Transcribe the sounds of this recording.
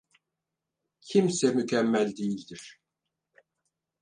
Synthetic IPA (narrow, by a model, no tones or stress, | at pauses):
cʰimsɛmycʰɛmːælʲd̪ejilʲd̪iɾ̥